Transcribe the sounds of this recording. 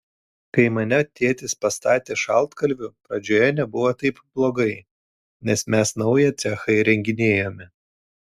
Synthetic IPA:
kɐɪmɐnʲɛt̪ʲeːt̪ʲɪspɐst̪ɑːt̪ʲeːʃɑlˠˑt̪kɐlʲʋʲʊpɾɐd͡ʒʲoːjɛnʲɛbʊʋɐt̪ɐɪpb̥lˠoːɡɐɪ | nʲɛsmʲɛsnɐʊjɛt̪sʲɛxɐɪɾʲɛŋʲɡʲɪnʲeːjoːmʲɪ

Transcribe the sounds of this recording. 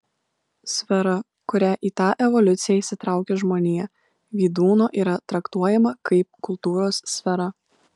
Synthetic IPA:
sʲfʲɛɾɐ | kʊɾʲæʔiːt̪ɑːʔɛʋɔlʲʊt̪sʲɪjɛːiːsʲɪt̪ɾɑˑʊkʲeːʒmoːnʲijɛ | ʋʲiːd̪uːnoːʔiːɾɐt̪ɾɐkt̪uɔjɛmɐkɐɪp̚kʊlˠt̪uːɾoːsːʲfʲɛɾɐ

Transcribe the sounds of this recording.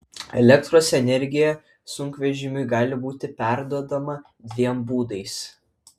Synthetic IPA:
ɛ̰lʲɛkt̪ɾoːsɛnʲɛɾʲɡʲɪjɛ | sʊŋkʋʲɛʒʲɪmʲʊɪɡɑːlʲɪbuːt̪ʲɪpʲæˑɾd̪uɔd̪ɐmɐ | d̪ʲʋʲiɛmbuːd̪ɐɪs

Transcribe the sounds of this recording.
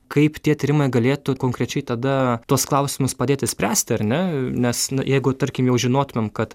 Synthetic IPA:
kɐɪpt̪ʲiɛt̪ʲiɾʲɪmɐɪɡɐlʲeːt̪ʊkoːŋkɾʲɛt͡ʃʲɛɪt̪ɐd̪ɐt̪uɔsklˠɐʊsʲɪmʊspɐd̪ʲeːt̪ʲɪsʲpʲɾʲæːsʲt̪ʲɪɐɾʲnʲɛnʲɛsnʊjɛɪɡʊt̪ɐɾʲkʲɪmjɛʊʒʲɪnoːt̪ʊmʲɛmkɐt̪

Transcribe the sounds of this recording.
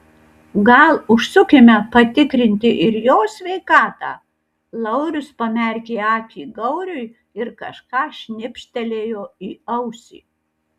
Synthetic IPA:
ɡɐlˠʊʃsʊkʲemʲɛpɐt̪ʲɪkɾʲɪnʲt̪ʲɪʔɪɾjoːsʲʋʲɛɪkɑːt̪ɑ̰ː | lˠɐʊɾʲʊspɐmʲɛɾʲkʲeːɑːpʲiːɡɐʊɾʲʊj | ɪɾkɐʃkɑːʃʲnʲɪpʲʃʲt̪ʲɛlʲeːjoːiːɐʊsʲḭː

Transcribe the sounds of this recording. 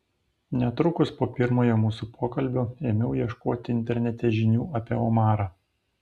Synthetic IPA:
nʲɛt̪ɾʊkʊspoːpʲɪɾmoːjoːmuːsupʰoːkɐlʲbʲoːeːmʲɛʊjiɛʃkoːt̪ʲɪɪnʲt̪ʲɛɾʲnʲɛt̪ʲɛʒʲɪnʲuːɐpʲiɛomɑːɾɑː

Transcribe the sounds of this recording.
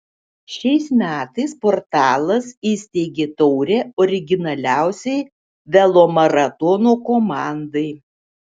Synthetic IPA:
ʃʲɛɪsmʲæːt̪ɐɪspoːɾt̪ɑːlˠɐsiːsʲt̪ʲɛɪɡʲeːt̪ɔʊɾʲeːɔːɾʲɪɡʲɪnɐlʲæˑʊsʲɛɪ | ʋʲɛlˠoːmɐɾɐt̪ɔnoːkoːmɑˑnd̪ɐɪ

